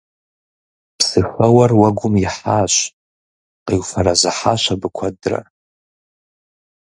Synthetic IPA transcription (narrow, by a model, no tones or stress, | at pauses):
pʰsɨxawarwaɡʷʊmjiħaːʃʷ | qiwfaɾazaħaʃʷabɨkʷʰadra̰